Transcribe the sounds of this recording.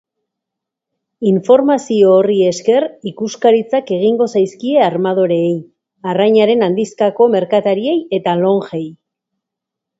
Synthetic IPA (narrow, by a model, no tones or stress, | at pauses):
iɱfo̞ɾmasio̞ːrie̞ske̞rikuskaɾit͡sake̞ɣ̞iŋɡo̞sajskie̞aɾmað̞o̞ɾe̞ːj | arajɲaɾe̞nand̪iskako̞me̞ɾkat̪aɾie̞je̞t̪alo̞ŋxe̞j